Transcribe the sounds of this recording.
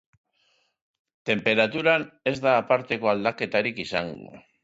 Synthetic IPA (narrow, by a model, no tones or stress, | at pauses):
t̪e̞mpe̞ɾat̪uɾane̞zd̪aːpaɾt̪e̞ko̞ald̪ake̞t̪aɾikisa̰ŋɡṵ